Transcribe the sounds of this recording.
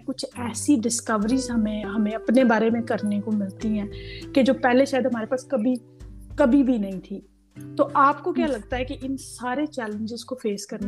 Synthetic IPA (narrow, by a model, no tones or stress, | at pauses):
kʊt͡ʃʰɛːsiɖɪskəʋɾizɦɐmẽɦɐmẽɐpnebaːɾemẽkɐɾnekomɪlt̪iɦɛ̃ːked͡ʒoːpɛːɦleʃaːjəd̪ɦɐmaːɾepaːskɐbi | kɐbʱibʱinɐɦĩt̪ʰiː | t̪oːʔaːpkokjaːlɐɡt̪aɦɛkeʔɪnsaːɾet͡ʃɛːlə̃ɲd͡ʒɪzkofʰeːskɐɾn